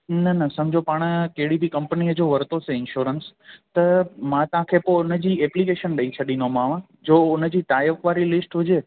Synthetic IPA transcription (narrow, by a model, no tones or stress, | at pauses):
nɐnəsɐmd͡ʑopaɽ̃əkeɽibʱikə̃mpniəd͡ʑoʋəɾt̪oseɪnʃoɾənst̪əmãt̪ãkʰepoʊnəd͡ʑieplikeːʃənɗəit͡ʃʰəɗinomãːʋ̃ | d͡ʑoːʊnəd͡ʑiʈaːjkʋaːɾilɪsʈʋʊd͡ʑe